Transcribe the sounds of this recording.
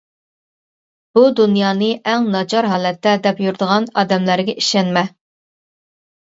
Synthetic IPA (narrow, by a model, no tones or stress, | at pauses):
b̥ud̪unjɑːnɨʔɛŋnɑd͡ʒɑɾɦɑːlɛt̪ːɛd̪ɛpjuɾd̪əʁɑnɑːd̪ɛmlæɾɡʲɛiʃɛnmɛ